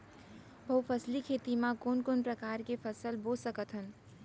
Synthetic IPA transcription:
bʱəwpʰəslikʰet̪imãkonkonpɾəkaɾkepʰəsəlbosəkət̪ɦən

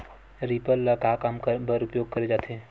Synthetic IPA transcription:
ɾipəlːakakamkbəɾʊpjoːɡ̚kəɾed͡ʒaːt̪ʰe

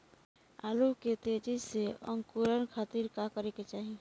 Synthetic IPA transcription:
a̰luket̪ed͡ʒiseə̰ŋkuɾənkʰaːt̪iɾkakəɾeket͡ʃaːɦi

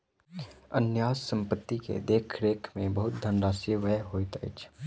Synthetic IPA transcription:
ə̰njaːssə̃mpət̪ːikḛd̪eːkʰɾeːkʰmẽbɐɦʊt̪̚d̪ʱənɾaːsiʋəɦoːit̪əɪ̰t͡ʃʰ

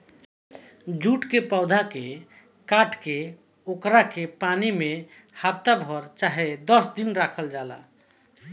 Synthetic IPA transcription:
d͡ʒuʈkepaʊd̪ʱake | kaʈke | okɾakepanime | hab̚t̪abʱɔɾt͡ʃaɦed̪əsd̪inɾakʰəld͡ʒala̰

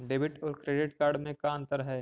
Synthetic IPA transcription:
ɖeːbɪʈɔːɾkɾeːɖɪʈkaːɾɖmẽkaə̃nt̪əɾɦɛ

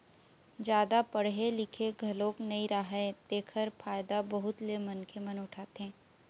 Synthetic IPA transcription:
d͡ʒjaːd̪apɐɽɦelɪkʰeɡʱɐloːknɐĩɾaɦɛd̪eːkʰəɾpʰaːjd̪abɐɦʊt̪lemɐnkʰemɐnʊʈʰaːt̪eɦɛ̃ː

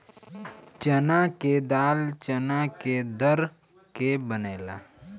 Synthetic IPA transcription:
t͡ʃənaked̪aːlt͡ʃənaked̪əɾ | kebəneːla̰ː

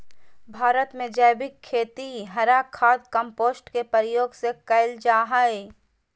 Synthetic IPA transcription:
bʱaːɾət̪mẽd͡ʒəjbɪkʰːeːt̪iɦɐɾakʰːaːd̪kəmpoːsʈkepəɾəjoːɡsekɐɪld͡ʒaːɦae

